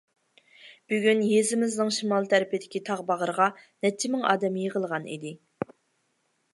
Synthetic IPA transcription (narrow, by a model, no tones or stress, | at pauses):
b̥yɡʲynjezɪmɪznɪŋʃimɑlˠt̪ʰæɾɪpɪd̪ɪkʲit̪ʰɑʁbɑʁəɾəʁɑnɛt͡ʃʰːɪmɪŋɑ̰ːd̪ɛmjəʁəlˠʁɑnḭd̪ɪ